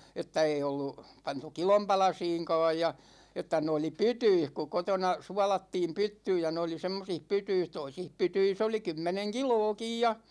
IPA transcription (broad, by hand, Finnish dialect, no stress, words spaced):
etːæ ei olːu pɑntu kilom pɑlɑsiːŋkɑ̝ːj jɑ etːæ ne oli pytyih ku kotonɑ suɑlɑtːiːm pytːyːj jɑ ne oli semːosih pytyis toisih pytyis oli kymːeneŋ kiloːkij jɑ